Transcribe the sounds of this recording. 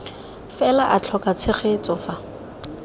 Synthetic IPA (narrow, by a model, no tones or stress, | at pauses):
fɛlaʔat͡ɬʰɔkʼat͡sʰɪχet͡sʼɔfa